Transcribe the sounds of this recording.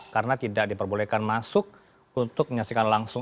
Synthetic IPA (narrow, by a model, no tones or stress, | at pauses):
kaɾənat̪idak̚dipərbolekanmasʊk̚ | unt̪ʊk̚məɲasikanlaŋsʊ